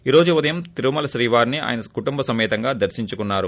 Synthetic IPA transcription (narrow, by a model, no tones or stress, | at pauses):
iːɾo̞ːd͡ʒuʋud̪ɐjɐmt̪iɾumɐlɐʃɾiːʋaːɾnia̰ːjɐnɐkuʈumbɐsɐmɛːt̪ɐŋɡaːd̪ɐɾsiɲt͡ʃukunːaːɾu